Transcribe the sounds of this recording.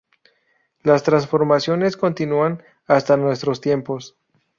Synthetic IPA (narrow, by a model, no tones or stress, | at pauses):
last̪ɾansfo̞ɾmasjo̞ne̞sko̞nt̪inuan | ast̪anwe̞st̪ɾo̞st̪je̞mpo̞s